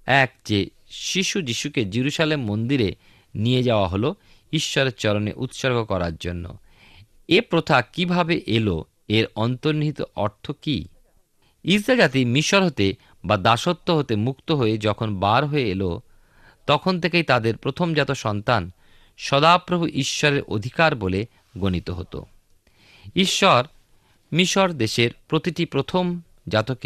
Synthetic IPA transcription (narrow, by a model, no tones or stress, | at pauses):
ɛkd͡ʑe | ʃiʃud͡ʑiʃuked͡ʑiɾuʃalemːond̪iɾe | nied͡ʑaoaɦolo | iʃːɔɾeɾt͡ɕɔɾonḛʔut̪ʃoɾɡʱokɔɾaɾd͡ʑonːo̰ | epɾot̪ʰakibʱabeʔelo̰ | eɾɔnt̪oɾniɦit̪o̰ʔɔɾt̪ʰoki | iɾsad͡ʑat̪imiʃoɾɦot̪e | bad̪aʃot̪ːoɦot̪emukt̪oɦoed͡ʑɔkʰonbaɾɦoeelo̰ | t̪ɔkʰont̪ʰekejt̪ad̪eɾpɾot̪ʰomd͡ʑat̪oʃɔnt̪an | ʃɔd̪apɾobʱuʔiʃːɔɾeɾʔo̰d̪ʱikaɾbole | ɡonit̪oɦo̰t̪o̰ | iʃːɔɾ | miʃoɾd̪eʃeɾpɾot̪iʈipɾot̪ʰom | d͡ʑat̪oke